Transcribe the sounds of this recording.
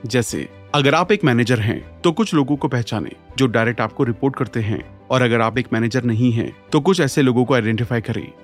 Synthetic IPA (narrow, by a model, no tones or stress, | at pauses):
d͡ʒɛːsḛ | ɐɡəɾaːpeːkmɛːneːd͡ʒəɾɦɛ̰̃t̪okʊt͡ʃʰloːɡõkopɛɦt͡ʃaːnḛːd͡ʒoːɖaːɾɛk̚ʈaːp̚koɾɪpoːɾʈ̚kɐɾt̪eɦɛ̰̃ː | ɔːɾɐɡəɾaːpeːkmɛːneːd͡ʒəɾnɐɦĩɦɛ̰̃ːt̪ok̬ʊt͡ʃʰɛːseloːɡõkoaːɪɖɛ̃ɳʈɪfaːikɐɾḛ̃ː